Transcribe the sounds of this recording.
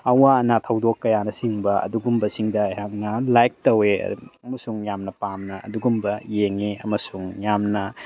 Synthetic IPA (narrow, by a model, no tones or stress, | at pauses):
ɐwanɐtʰɐwdokːɐjanɐsiŋbɐɐ̰duɡumbɐsiŋdɐjhaŋnɐlajk̚tɐwḛɐmɐsuŋjamnɐpamnɐɐ̰duɡumbɐjeŋeɐmɐsuŋjamnɐ